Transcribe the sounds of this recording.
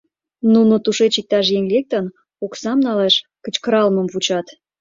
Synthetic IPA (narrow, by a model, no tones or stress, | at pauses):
nunot̪uʃet͡ɕik̚t̪ɑʃ̬jeŋlʲek̚t̪ən | oksɑmnɑleʃkə̆t͡ɕkɾɑlməmvut͡ɕɑt̪